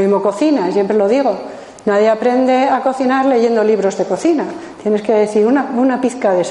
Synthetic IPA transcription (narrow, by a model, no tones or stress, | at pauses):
imo̞ko̞θinasje̞mpɾelo̞ðiɣo̞ | naðje̞apɾe̞nd̪e̞ako̞θinaɾle̞ʝe̞nd̪o̞liβɾo̞zðe̞ko̞θinat̪je̞ne̞skeðeθiɾunaunapiθkaðes